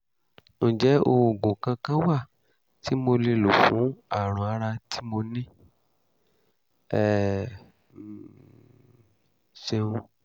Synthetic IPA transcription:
ñ̩˨d͡ʒɛ˨˦o˧o˨ɡõ˨kã˧kã˦wa˦˨ | tʰi˨˦mo˧le˧lo˨fũ˨˦a˦˨ɾ̃ɔ̃˨a˧ɾa˧tʰi˦mo˧nĩ˦ | ɛ˦˨ | se˧ũ˧

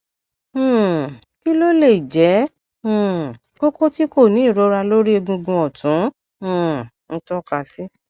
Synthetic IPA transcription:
ki˦lo˦le˦˨i˨d͡ʒɛ̃˨˦˨ | ɡo˦ko˦ti˦ko˦˨nĩ˨˦˨ɾo˨˦ɾa˧lo˦ɾi˦e˧ɡũ˧ɡũ˧ɔ˨tũ˨˦˨ | n̩˦tɔ˦ka˧sɛ˦

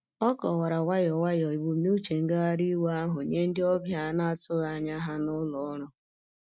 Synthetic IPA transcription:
ɔ˦kɔ˨wa˨ɾa˨wa˦jɔ˨wa˦jɔ˨i˨bu˨˦nu˦t͡ʃe˨ŋ̩˦ɡa˦a˦ɾi˦wa˦ɦʊ˨ɲe˦n̩˦dɪ˦ɔ˦bja˦na˦a˨tʊ˦ɣa˨ɲa˦ɦa˦nʊ˦lɔ˨˦ɾʊ˦

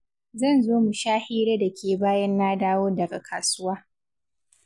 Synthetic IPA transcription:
zɐ˦˨nzoː˦mu˨ʃaː˦hiː˦ɾeː˦da˨kʲeː˨baː˦jɐ˦nːaː˦daː˦woː˦dɐ˨ɡa˨kʰaː˨sʊ˦waː˦

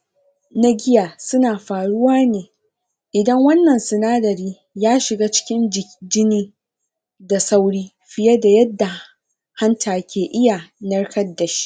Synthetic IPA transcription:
na˦ɡʲɪ˦jaː˨sʊ˦naː˨ɸaː˨ɽʊ˦waː˦neː˨ | ʔɪ˨dɐ˦ŋwɐ˦nːɐ˨nsɪ˨naː˦dɐ˨ɾiː˦ | jaː˦ʃɪ˨ɡaː˦t͡ʃɪ̥˦kʲɪ˦n˨d͡ʒɪ˦niː˦ | da˨sa˦wɽiː˦ | ɸɪ˦jɐ˦da˨jɐ˦dːa˨ | ha˦ntʰaː˨kʲʰeː˨ʔɪ˦ja˨nɐ˦rkɐ˦dːɐ˨ʃi̥˦ʔ

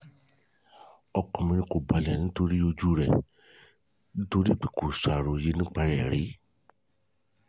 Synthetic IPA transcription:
ɔ˧kɔ̃˨mĩ˧nĩ˧ko˨ba˨lɛ˨nĩ˦to˧ɾi˦o˧d͡ʒu˦ɾɛ̰˦˨ | nĩ˦to˧ɾi˦k͡pi˦ko˨sa˨ɾo˨je˨˦nĩ˦k͡pa˧ɾɛ˨ɾe˨˦

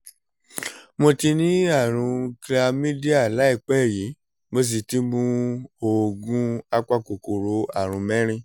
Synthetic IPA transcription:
mo˧ti˧nĩ˨˦a˦˨ɾ̃ũ˧kla˧mĩ˦di˦a˦˨la˨˦i˦˨k͡pɛ˦˨ji˨˦ | mo˧s̬i˧ti˧˦mũ˧o˨ɡũ˧˦a˧k͡pa˦˨ko˨ko˨ɾo˨˦a˦˨ɾ̃ũ˨˧mɛ̃˦ɾ̃ĩ˦˧

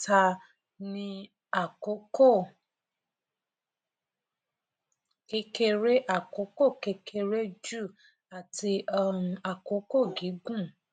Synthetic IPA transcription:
ta˧ | nĩ˧ | a˦˨ko˨˦ko˦˨ | ke˧˦ke˧ɾe˦ʔa˦˨ko˨˦ko˦˨ke˧kʰe˧ɾe˦d͡ʒu˦˨ | a˨ti˧ɔ˦˨ũ˧a˨ko˨˦ko˦˨ɡi˨˦ɡũ˦˨

